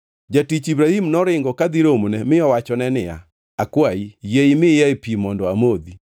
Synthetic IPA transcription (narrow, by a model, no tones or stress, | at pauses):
d͡ʒatit͡ʃibɾahimnɔɾɪŋɡɔkad̪iɾomunɛmɪɔwat͡ʃɔnɛnɪa̰ | akwaijeimɪjaepimɔndɔamod̪i